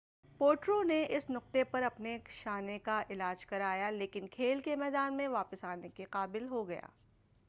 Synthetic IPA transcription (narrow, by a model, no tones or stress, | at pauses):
poːʈɾoneʔɪsnʊq̚t̪epɐɾɐpneʃaːnekaʔɪlaːd͡ʒkɐɾaːjaleːkɪnkʰeːlkemɛːd̪aːnmẽʋaːpəsaːnekeqaːbɪlɦoɡɐja̰ː